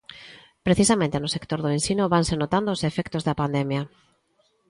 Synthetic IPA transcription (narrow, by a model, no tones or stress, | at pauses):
pɾeθisamẽnt̪enʊsekt̪oɾðoensinʊβansenot̪and̪oːsefɛkt̪ozðɐpand̪ɛmjɐ